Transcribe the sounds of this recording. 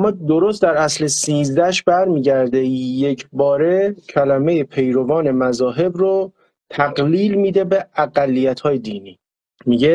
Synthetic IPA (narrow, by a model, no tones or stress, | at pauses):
æmːɒːd̪oɾoːst̪d̪æɾæslesiːzd̪æʃbæɾmiːɟæɾd̪eje̞cʰbɒːɾe̞cʰælæmejepʰe̞jɾovɒːne̞mæzɒːɦe̞bɾo | t̪ʰæɡliːlmiːd̪e̞beæɡælːijæt̪ʰhɒːjed̪iːniː | miɟe